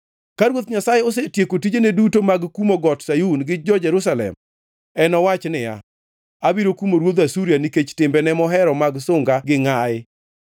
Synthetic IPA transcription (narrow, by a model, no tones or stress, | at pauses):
kaɾwot̪ɲasajeos̬etjekotid͡ʒenedutomaɡkumoɡɔtsajunɡɪd͡ʒɔd͡ʒɛɾus̬alɛ̰m | ɛnɔwat͡ʃnɪja̰ | abiɾokumoɾwod̪asuɾijaniket͡ʃtɪmbɛnɛmɔɦɛɾɔmaɡsʊŋɡaɡɪŋaɪ